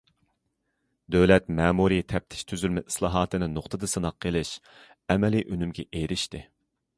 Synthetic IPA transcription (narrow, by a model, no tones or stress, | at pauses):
d̪øwlɛt̪mɛːmuɾit̪ʰɛp̚t̪ʰɪ̥ʃt̪ʰyzylmɛʔi̥slˠɑːɦɑːt̪ʰɨnɨnoχt̪ʰɨd̪ɨsɨnɑqʰːelˠɪʃ | ɛmɛliʔynymɡʲɛ̰ʔejɾɪʃt̪ɨ